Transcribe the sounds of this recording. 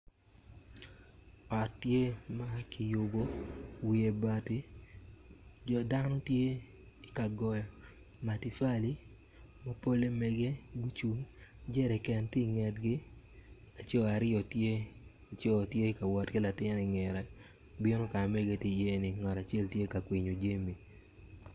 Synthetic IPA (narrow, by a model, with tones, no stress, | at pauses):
ɔ˨tːje˦ma˦ki˨jo˨bo˦wi˨e˨ba˨ti˦ | d͡ʒɔ˨da˦nɔ˦tje˦ | i˨ka˨ɡɔ˨jɔ˨ | ma˨ti˨fa˦li˦ | ma˦po˦le˦mɛ˦ɡe˦ɡu˦t͡ʃu˦ŋ | d͡ʒɛ˦ɾɛ˨kɛ˨ntɪ˦ŋɛ˨tɡɪ˦ | a˨t͡ʃɔ˦a˨ɾɪ˦ɔ˨tje˦ | a˨t͡ʃɔ˦˨tje˦ka˨wɔ˨tɡɪ˦la˨tɪ˦nɪ˨ŋɛ˨ɾɛ˨ | bi˦no˦ka˨me˦ɡe˨tɪ˦je˦nɪ˨ŋa˨ta˨t͡ʃɛ˦ltje˦ka˨kwi˨ɲo˨d͡ʒe˦mi˨